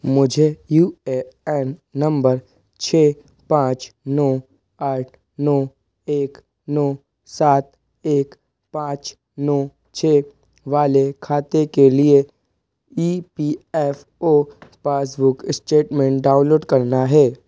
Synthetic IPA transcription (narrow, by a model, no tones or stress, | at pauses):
mʊd͡ʒʱejuːeɛːnːɐ̃mbəɾ | t͡ʃʰeː | pãːt͡ʃnɔː | aːʈʰ | nɔː | eːk | nɔː | saːt̪̚ | eːk | pãːt͡ʃ | nɔː | t͡ʃʰeː | ʋaːlekʰaːt̪ekelie | iːpiːɛːf | oːpaːs̬bʊkɪsʈeːʈmẽːɳʈ̚ɖãːʊ̃nloːɖkɐɾnaɦɛː